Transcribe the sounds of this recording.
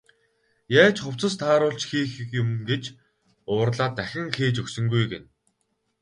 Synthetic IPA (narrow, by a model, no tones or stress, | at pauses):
jaːt͡ɕχʊw̥t͡sə̆st̪ʰaːɾʊːɮt͡ɕxiːxkjʊmɡet͡ɕ | ʊːrɮaːt̪ːæxʲɪ̆ŋxeːt͡ɕɵksɵ̆ŋɡujɡen